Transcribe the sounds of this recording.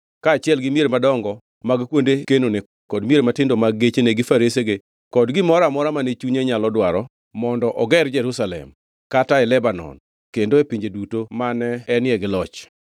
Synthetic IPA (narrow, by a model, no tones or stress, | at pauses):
kaːt͡ʃɪɛlɡɪmjeɾemadɔŋɡɔ | maɡkwondekenone | kɔdmjeɾematɪndomaɡet͡ʃeneɡɪfaɾeseɡe | kɔdɡɪmɔɾamɔɾamanet͡ʃuɲeɲalɔdwaɾɔ | mɔndɔʔɔɡɛrd͡ʒɛɾusalɛ̰m | kataɛlɛbanɔ̰n | kendoepiɲd͡ʒedutomanɛɛnjɛɡɪlɔt͡ʃ